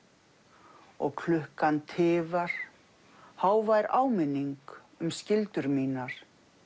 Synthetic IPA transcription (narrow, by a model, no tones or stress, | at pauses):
ɔ̰ɣkʰlʏhkant̪ʰɪːvaɾ̥ | haːwvajɾaːwmɪnːiŋk | ʏmscɪlt̪ʏɾmiːnaɾ̥